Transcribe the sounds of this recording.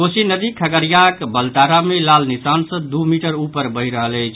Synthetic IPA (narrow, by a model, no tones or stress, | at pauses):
kosinəd̪ikʰəɡəɾjakbəlt̪aɾamelalnisansə̃d̪umiʈəɾupəɾbəjɾəɦələjt͡ʃʰ